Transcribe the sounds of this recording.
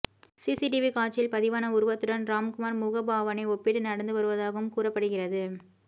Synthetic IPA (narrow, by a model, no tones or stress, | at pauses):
sisiʈɪʋikaːt͡ʃːɪlpɐðɪʋaːnɐʊɾɯʋɐt̪ːɯɽɐnɾaːmkʊmaːɾmʊɣɐbaːʋɐnɐɪɔpːɪʈːɯnɐɽɐnd̪ɯʋɐɾɯʋɐðaːɣɯmkuːrɐpːɐɽɯɣɪrɐðɯ